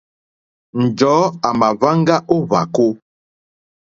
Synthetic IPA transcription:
n̩˨d͡ʒɔː˨˦a˨ma˨va˦ŋ˦ɡa˦ʔo˦βa̰˨ko˦

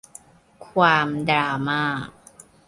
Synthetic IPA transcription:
kʰwaː˧mdɾaː˧maː˥˩k̚

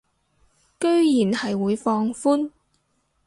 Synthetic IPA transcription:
kɵ˥ɥjiː˨˩nhɐ˨jwuː˨˧jfɔː˧ŋfuː˥n

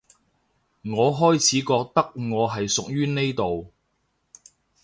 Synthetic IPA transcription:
ŋɔː˨˧ɦɔː˥jt͡sʰiː˨˥kɔː˧k̚t̪ɐ˥k̚ŋɔː˨˧ɦɐ˨jsʊ˨k̚jyː˥ne˥jt̪o˨w

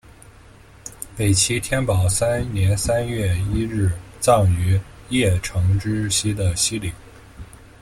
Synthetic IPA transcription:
pe˨˩ɪt͡ɕʰi˧˥t̪ʰjɛ˥npɑ˨˩ʊsa˥nnjɛ˧˥nsa˥nɥɛ˥˩i˥ɻ̩˥˩t͡sɑ˥˩ŋy˧˥jɛ˥˩ʈ͡ʂʰɤ˧˥ŋʈ͡ʂɻ̩˥ɕi˥d̪ə˨ɕi˥li˨˩˦ŋ

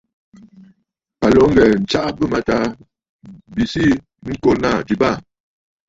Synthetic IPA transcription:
a˨lo˨˦ŋ˦ɡɛ˨n̩˨t͡ʃa˦ʔbə˦ma˨ta˦ | bi˨si˦ | ŋ̩˦ko˦na˦˨d͡ʒi˨ba˦˨

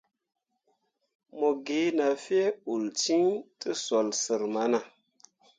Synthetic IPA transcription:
mo˨ɡe˨˦na˨fi˦e˦u˨lt͡ʃi˦ŋtɨ˦so˨lsə˨ɾma˨˦na˨

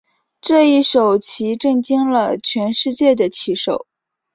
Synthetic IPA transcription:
ʈ͡ʂɤ˥˧i˥˩ʂo˨˩ʊt͡ɕʰi˧˥ʈ͡ʂɤ˥˩ŋt͡ɕi˥ŋlə˨t͡ɕʰɥɛ˧˥nʂɻ̩˥˧t͡ɕjɛ˥˩d̪ə˩t͡ɕʰi˧˥ʂo˨˩˦ʊ

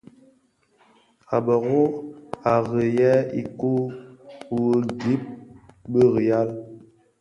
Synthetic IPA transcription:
a˨bə˨ɣo˦a˨ɣə˨jɛ˦i˨ku˦˨ | wə˦ɡi˦p̚bə˦ɣi˨ja˦l

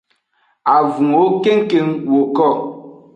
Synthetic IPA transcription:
a˨vũ˨ŋo˦ke˦ŋ̩˦ke˦ŋ˦wo˨kɔ˦˨

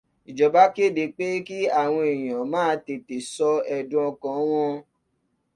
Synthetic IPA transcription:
i˨d͡ʒɔ˨ba˦ke˦˨de˧˦k͡pe˦ki˦a˦˨w̃ɔ̃˧i˨j̃ã˨mãː˦˧te˨te˨sɔ˧ɛ˧dũ˦ɔ˧kã˧˦w̃ɔ̃˦

